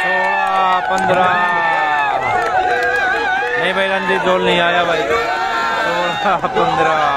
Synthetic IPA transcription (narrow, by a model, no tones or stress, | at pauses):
soːɽaːpə̃nd̪ɾaːɾaː | nɐĩːbʱailənd̪iːd͡ʒoːlnəĩːaːjaːbʱaːiːt̪a | soːɽapənd̪ɾaː